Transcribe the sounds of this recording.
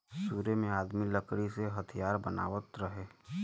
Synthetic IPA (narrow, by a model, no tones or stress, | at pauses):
suːɾemẽaːd̪miləkɽiseɦət̪ʰijaːɾbəna̰ːʋət̪ɾəɦeː